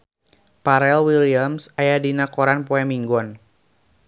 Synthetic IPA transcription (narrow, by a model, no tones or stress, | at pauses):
paɾɛlwiliamsajadinakɔɾanpɔɛmiŋɡɔn